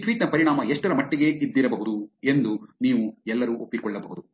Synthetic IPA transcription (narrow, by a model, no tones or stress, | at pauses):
ʈʋiːʈnɐpɐɾiɳaːmɐeʂʈɐɾɐmɐʈːiɡe̞id̪ːiɾɐbɐɦud̪ue̞nd̪uniːʋuɛlːɐɾuːʔopːikɔɭːɐbɐɦud̪u